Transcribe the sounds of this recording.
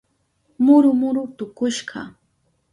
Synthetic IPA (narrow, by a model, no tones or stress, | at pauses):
mʊɾʊmʊɾʊt̪ʊkʊʃɢɑ̰